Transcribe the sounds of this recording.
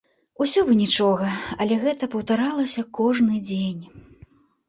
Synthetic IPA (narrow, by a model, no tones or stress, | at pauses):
usʲɔvɨnʲit͡ʂɔɣɐɐlʲɛɣɛt̪ɐpɐwt̪aɾalˠɐsʲɐkɔʐnɨd͡zʲenʲ